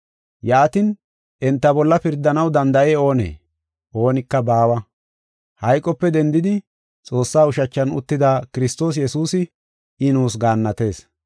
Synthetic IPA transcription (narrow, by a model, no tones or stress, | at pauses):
jaːt̪ɪn | ʔɛnt̪ːɐbɔlːɐpɪɾd̪ːɐnɐwd̪ɐnd̪ɐʔeo̞ːnḛː | ʔo̞ːnɪkːɐbaːwɐ | hɐjkʼːɔpːɛd̪ɛnd̪ɪd̪ɪ | t͡sʼo̞ːsːaːʊʃɐt͡ʃːɐnʊ̰t̪ːɪd̪aːkɪɾɪst̪o̞ːs̬jɛsuːsɪ | ʔɪnuːsɡaːnːɐt̪e̞ːs